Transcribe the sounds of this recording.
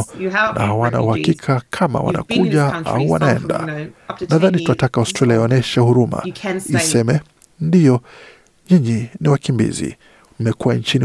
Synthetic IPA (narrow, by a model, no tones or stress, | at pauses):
nʔa̰hawana̰uhakikʰakʰama̰wa̰na̰kuʄaʔa̰uwa̰naɛ̰nda̰naðanituatakaawstɾaliajɔnɛʃahuɾuma̰isɛmɛ | ndijɔ | ɲiɲiniwakimbḭzḭ | mɛkuwant͡ʃini